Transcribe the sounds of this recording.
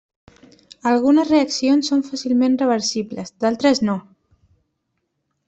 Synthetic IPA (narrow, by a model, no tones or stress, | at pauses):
əlˠɣ̞unəzreəksionsːoɱfasilˠmenrəβ̞əɾsiβləzd̪alˠt̪ɾəzno